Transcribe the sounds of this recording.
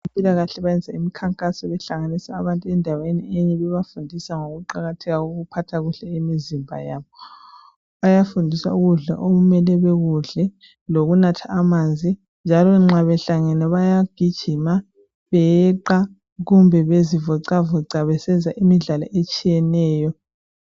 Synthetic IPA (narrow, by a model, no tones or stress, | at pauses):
impʼilaɣaɬɛβajɛnd͡zʱaimikʰaŋkʼasɔβɛɬaŋanisaːβantʼuɛndʱaweniɛɲɛβɛβafundʱisaŋoɣuǃaɣatʰɛɣauɣupʰatʰaɣuɬɛimizimbʱa̰jaːβɔ | βajafundʱiswa̰uɣuɮa̰ʔoɣumɛlɛβɛɣuɮɛ | loɣunatʰaːmand͡zʱi | nd͡ʒʱalɔŋ͡ǁaβɛɬaŋɛnɛβajaɡ̥ʱid̥ʒ̥ʱima | βɛjɛǃa | ɣumbʱɛβezivɔǀavɔǀaβɛsɛnd͡zʱaʔimiɮalɔʔet͡ʃʼijɛnɛːjɔ